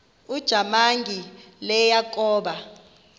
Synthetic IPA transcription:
ud̥ʒ̥ʱamaŋɡʱilɛjakʼɔːɓa

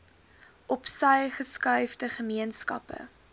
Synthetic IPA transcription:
ʔɔpsəjχəskœɥfdəχəmiənskɐ̰pə̰

